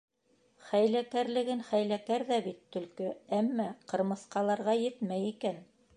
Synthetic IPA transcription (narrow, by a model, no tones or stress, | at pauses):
χæjlækæɾlɘ̆ɡɘnχæjlækæɾðæbit̪ːɵ̆lkɵæmːæqɤ̆ɾmɤ̆θqɑlˠɑɾʁɑjɘt̪mæjikæn